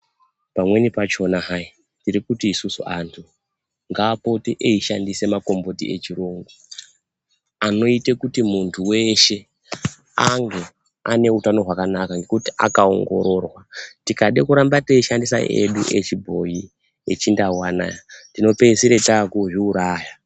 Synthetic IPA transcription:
pamwe̞nipat͡ʃo̞naɦai | ndiɾikutiːsusuantʰu | ŋɡaːpo̞teʔeiʃandise̞mako̞mbo̞tie̞t͡ʃiɾoːŋɡu | ano̞itekutimuntʰuwe̞ʃe̞ | aŋɡe̞ | ane̞utano̞ɦwakanakaŋɡe̞kutiʔa̰kao̞̰ŋɡo̞̰ɾo̞rwatikaɗekuɾambateiʃandisa̰ʔe̞̰ɗuʔet͡ʃibʱo̞ji | et͡ʃindawana̰jatino̞pe̞siɾetaːkuʐiuɾaːja

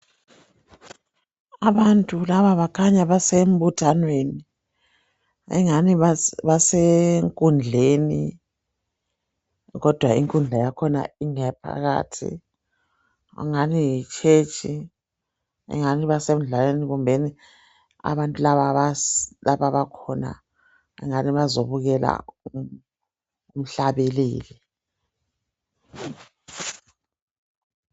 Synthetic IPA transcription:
aβantʼulaβaβakʰaɲaβasem̩βutʰanweni | ɛ̰ŋaniββaseŋkʼund͡ɮʱeni | ɣɔd̥ʱwaiŋkʼund͡ɮʱajakʰɔna̰iŋɛpʰa̰ɣa̰ːtʰḭ | a̰ŋanijit͡ʃʰʼet͡ʃʰʼi | ɛ̰ŋaniβasem̩uɮaleniɣumbʱeni | a̰βantʼulaβaβalaβaβakʰɔna̰ | ɛ̰ŋaniβazoβuɣɛla̰u | um̩ɬaβeliːli

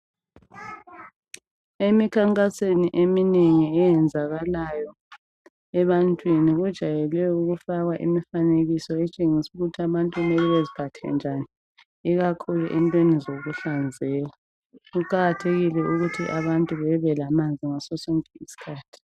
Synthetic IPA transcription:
emikʰaŋkʼaseniʔemineŋiɛjɛnd͡zʱaɣalajɔ | ɛβantʼwiniɣud̥ʒ̥ʱajɛlwɛuɣufaɣwaʔḭmifaneɣisɔɛt͡ʃʼeŋisuɣutʰiaβantʼwinɛliβezipʰatʰɛ̰nd͡ʒʱaniː | ɣakʰuluʔɛntʼwenizoɣuɬand͡zʱɛːla | ɣuǃaɣatʰeɣilɛʔuɣutʰiʔaβantʼuβɛβɛlamand͡zʱiŋasɔsoŋʼiisi̥kʰaːtʰi̥

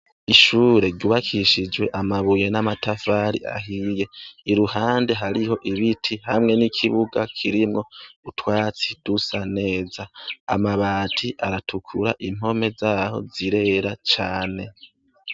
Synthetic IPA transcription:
iʃuːɾe̞ɾɟuːβakʰiʃid͡ʒwe̞ʔamaβuje̞namatafaɾḭa̰ɦije̞iɾuhaːnde̞ɦaɾiɦo̞ʔiβitʰihamŋe̞nikʰiβuɡakʰiɾimŋo̞utwaːt͡sid̥usane̞ːzaːmaβaːtʰiʔaɾatʰukʰuɾaʔim̥ho̞me̞zaːho̞̰ziɾe̞ɾat͡ʃaːne̞

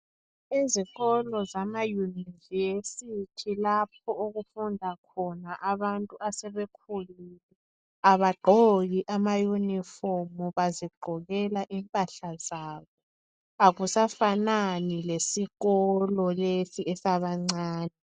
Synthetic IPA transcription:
iziɣɔlɔzamajuniivesitʰilap̚ʰɔoɣufundʱakʰɔnaʔaβantʼuasɛβɛkʰuliːlɛ | aβaɡ͡ǃʱoɣiʔamajunifɔmuβaziɡ͡ǃʱɔɣɛlaʔimpʼaɬazaːβɔ | aɣusafananilesiɣɔlɔlesiʔɛsaβaŋ͡ǀaːnɛ

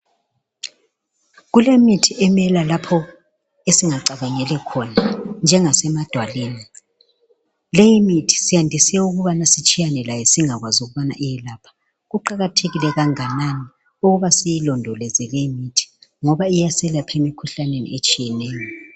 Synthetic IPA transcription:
ɣulemitʰiʔɛmɛlalapʰɔ | esiŋaǀaβaŋɛlɛkʰɔnand͡ʒʱɛŋasɛmad̥ʱwaliːni | lejimitʰi̥sijandʱisɛuɣuβanasit͡ʃʼijanɛlajɛsiŋaɣwazuɣuβana̰ʔijɛlaːpʰḁ | ɣuǃaɣatʰeɣilɛɣaŋanani | uɣuβasijilɔndʱɔlɛzɛlejimitʰi̥ŋɔβaijasɛlapʰemikʰuɬanenḭʔet͡ʃʼijɛneːjɔ

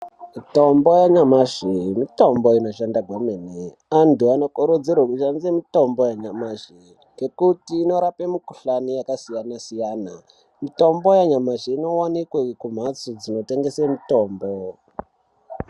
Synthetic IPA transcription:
mito̞mbo̞jaɲamaʐimito̞mbo̞ino̞ʃandaɡʱwamene | antuanokuɾud͡zerwakuʃanzemito̞mbojaɲamaʐi | ke̞kutiːno̞ɾapemikuɬanijakasijanasijaːna | mito̞mbo̞jaɲamaʐeino̞wanikwekum̤at͡sud͡zino̞te̞ŋɡe̞semito̞ːmbo

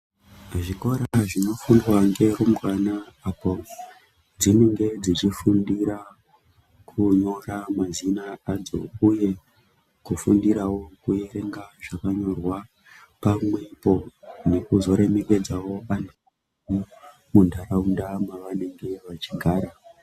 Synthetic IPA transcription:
ʐiko̞ɾaʐino̞fundwaŋɡe̞rumɡanaːpo | d͡zine̞ŋɡe̞d͡zit͡ʃifundiɾa | kʰuɲo̞ramazinaad͡zo̰uje̞ | kufundiɾawo̞kue̞ɾe̞ŋɡaʐakaɲo̞rwa | pamwepo̞ne̞kuzo̞ɾe̞me̞ke̞d͡zawo̞aneku | u | mundʱaraundamwaʋane̞ŋɡe̞ʋat͡ʃiɡʱaːɾa

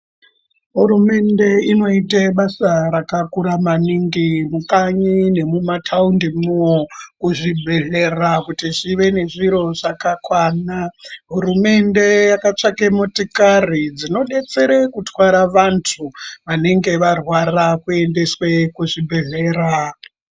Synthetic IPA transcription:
ɦuɾume̞nde̞ino̞iteɓasaɾakakuɾamaniŋɡimukaɲine̞mumatʰaundimuokuʐibʱe̞ɮe̞rakutiʐiʋe̞ne̞ʐiɾo̞ʐakakwaːnaɦurume̞nde̞jakat͡ʂakemotikarid͡zino̞ɗe̞t͡se̞ɾekutwaɾaʋantʰuʋaneŋɡe̞ʋarwarakue̞nde̞swe̞kuʐibʱe̞ɮeːra

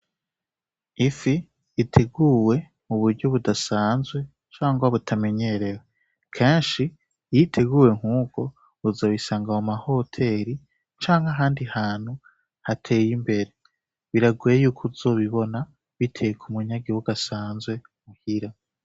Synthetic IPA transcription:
ifiː | tʰeɡuːwe̞ | muβuɾɟoβudasaːnzwe̞ | t͡ʃaːŋɡwaβutʰame̞ɲe̞ɾe̞we | kʰeːnʃi | jitʰe̞ɡuːwe̞ŋ̥uːɡo̞ | βuzaβisaːŋɡaomaho̞tʰe̞ɾi | t͡ʃaːŋɡaɦaːndihaːn̥hu | hatʰe̞ːjimbe̞ɾe̞ | βiɾaɡwejuːkʰuzo̞ːβiβo̞na | βitʰejekʰumuɲaɡiβuɡasaːnzwe̞ | muhiɾa

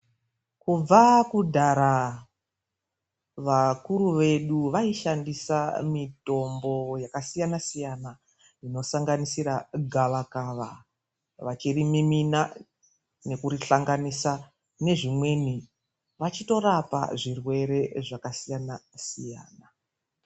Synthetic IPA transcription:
kub͡vakudʱaɾa | ʋakuɾuʋe̞ɗuʋaiʃandisamito̞mbo̞jakasijanasijana | ino̞saŋɡanisiɾaɡʱaʋakaʋa | ʋat͡ʃirimimina | ne̞kuɾiɬaŋɡanisa | ne̞ʐimwe̞ni | ʋat͡ʃito̞ɾapa̰ʐirwe̞ɾe̞ʐakasijanasija̰ːna

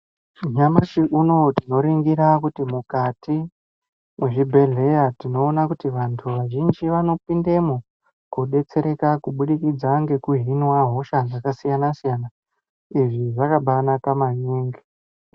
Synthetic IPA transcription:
ɲamaʃiʔuno̞tino̞ɾiŋɡiɾakutimukati | mwe̞ʐibʱe̞ɮe̞jatino̞ːnakutiʋantʰuʋaʒind͡ʒiʋano̞pindemo | kuɗe̞t͡se̞ɾe̞kakuɓuɗikid͡zaŋɡe̞kuɦinwaɦo̞ʃad͡zakasijanasijana | iʐiʐakaɓanakamaɲeːŋɡe

